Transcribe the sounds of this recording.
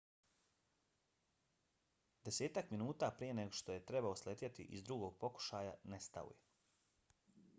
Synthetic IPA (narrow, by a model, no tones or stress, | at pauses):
d̪ese̞ːt̪akminuːt̪aːpɾije̞ne̞ɡo̞ʃt̪o̞je̞t̪ɾebaoslet̪ʲjat̪ḭʔizd̪ɾuɡo̞ɡ̚po̞ku̥ʃaːjanest̪a̰ṵje